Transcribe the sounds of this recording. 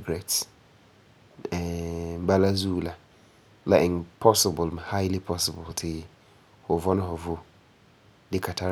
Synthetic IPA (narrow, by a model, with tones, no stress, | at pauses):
ɡɾɛ˨ts | ɛ˨˦ba˦la˦zu˦la˨ | la˨ʔɪ˨npʰɔ˦sɪ˨bʊ˨lm˨ha˦ɪ˦li˦pʰɔ˦sɪ˨bʊ˨ltʰɪ˨˦ | hʊ˨vɔ˦nɪ̃˦hɔ˨vo˦ | dɪ˦kʰa˨tʰa˦